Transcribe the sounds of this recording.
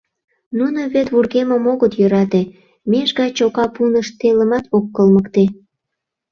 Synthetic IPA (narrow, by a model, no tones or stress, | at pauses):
nunoβet̪βurɣemə̆moɣət̪jøɾɑt̪e | meʒɣɑt͡ɕokɑpunəʃt̪elə̆mɑt̪okːəlməkt̪e